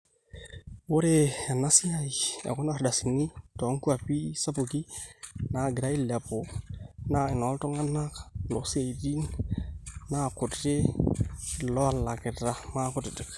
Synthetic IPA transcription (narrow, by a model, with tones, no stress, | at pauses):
wo˦ɾe˦˨a˨na˦sɪ˦a˦˨iḛ˨kʊ˦na˦˨ɾda˨si˨ni˦tɔ˨˦ŋku˦a˨pi˦sa˦pu˨ki˦na˨ɡɾa˦i˦lɛ˨po˨na˦ɪ˨nɔ˨˦lto˦ŋa˦na˦klo˨si˦a˨i˨di˦n | na˦˨kʊ˨tte˦ | lɔ˦a˦˨lːa˨kɪ˨ɾa˨ma˦kʊ˦tɪ˨tɪ˨k